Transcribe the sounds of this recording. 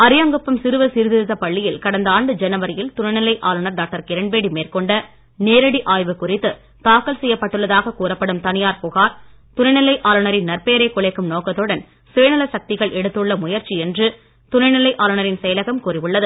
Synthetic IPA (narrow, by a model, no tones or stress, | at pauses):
ɐɾɪjɐŋɡɯpːɯmsɪɾɯʋɐsɪɾɯðɪɾɯðɐpɐɭːɪjɪlkɐɽɐnd̪ɐaːɳɖɯd͡ʒɛnɐʋɐɾɪjɪlt̪ʊnɐɪnɪlɐɪʔaːlɯɳɐɾɖaːk̚ʈɐɾkɪɾɐɳbeːɽimeːrkɔɳɖɐ | neːɾɐɽiʔaːjʋɯkʊrɪt̪ːɯ | t̪aːkːɐlsɛjːɐpːɐʈːɯɭːɐðaːɣɐkuːɾɐpːɐɽɯmt̪ɐnɪjaːɾpʊɣaːɾ | t̪ʊnɐɪnɪlɐɪʔaːlɯnɐɾɪnnɐrpeːɾɐɪkːʊɭɐɪkːɯmnoːkɐt̪ːɯɽɐn | seːnɐlɐsɐk̚t̪ɪɣɐɭʔɛɽɯt̪ːɯɭːɐmʊjɐɾt͡ʃiɛndrɯ | t̪ʊnɐɪnɪlɐɪʔaːlɯnɐɾɪnsɛjɐlɐɣɐmkuːrɪʋɯɭːɐðɯ